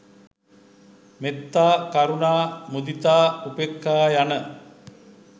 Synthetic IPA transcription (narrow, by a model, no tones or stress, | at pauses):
met̪ːaːkaɾunaːmud̪it̪aːupekːaːjanə